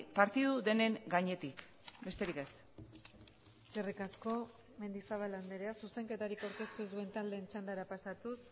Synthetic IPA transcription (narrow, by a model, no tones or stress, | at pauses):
paɾt̪iðuðe̞ne̞ŋɡaɲe̞t̪ik | be̞st̪e̞ɾike̞s | serikasko̞ | me̞nd̪isaβ̞aland̪e̞ɾeasuse̞ŋke̞t̪aɾikawɾke̞st̪uezðue̞nt̪ald̪e̞ːnt͡ʃand̪aɾapasat̪us